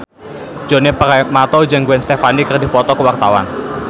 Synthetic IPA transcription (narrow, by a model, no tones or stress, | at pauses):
d͡ʒonepaɾajmat̪ɔd͡ʒaŋɡuwɛnst̪efanikərdi̤pɔt̪ɔkəwart̪awa̰n